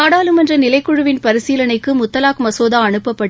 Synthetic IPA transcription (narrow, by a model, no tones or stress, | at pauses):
aːɽaːlɯmɛndrɐnɪlɐɪkːʊɻɯʋɪnpɐɾɪsiːlɐnɐɪkːɯmʊt̪ːɐlaːkmɐsoːðaːɐɳɯpːɐpːɐʈː